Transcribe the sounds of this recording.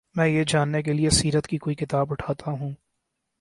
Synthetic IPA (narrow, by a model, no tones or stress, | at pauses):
mɛ̃ːjed͡ʒaːnːek̬eliesiːɾət̪kikoːikɪt̪aːbʊʈʰaːt̪ʰaɦũː